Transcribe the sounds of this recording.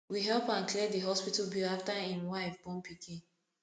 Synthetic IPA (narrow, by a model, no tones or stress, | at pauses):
wiɦɛlpãnklidəɦɔspitlbiaftahĩmwaɪvbɔ̃npikʰĩn